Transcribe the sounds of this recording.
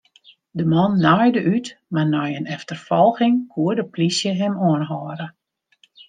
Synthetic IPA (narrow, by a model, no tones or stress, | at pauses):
dəmɔnːɔjdəʔytmarnɔjənɛftərfɔlˠxɪŋkʰuədəplisjəɦɛmoənɦɔːɾə